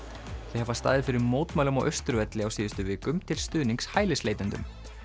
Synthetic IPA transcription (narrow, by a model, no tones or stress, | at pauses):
θɪhɦɛvast̪aːðɪfɪɾɪɾmoːwt̪maːwlʏmɔɣʔœ̰ɥst̪ɾʏvɛt̪lɪawsiːðʏst̪ʏvɪːkʏmt̪ʰɪlst̪ʏːðniŋkshaːjlɪsleːjt̪ʏnt̪ʏ̰m